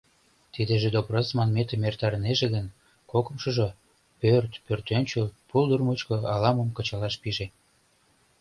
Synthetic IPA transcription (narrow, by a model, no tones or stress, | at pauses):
t̪id̪eʒed̪obrosmɑnmet̪əmert̪ɑɾəneʒeɣən | kokə̆mʃɤ̆ʒo | pørt̪pørt̪ønʲt͡ɕəlpuld̪urmut͡ɕkɤ̆ɑlɑməmkət͡ɕɑlɑʃpiʒe